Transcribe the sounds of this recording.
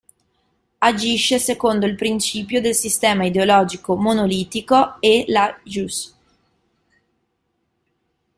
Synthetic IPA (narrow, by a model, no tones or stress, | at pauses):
ad͡ʒiʃesekond̪oilpɾint͡ʃiːpjod̪elsist̪ɛːmaid̪eolɔːd͡ʒikomonoliːt̪ikoelaʒus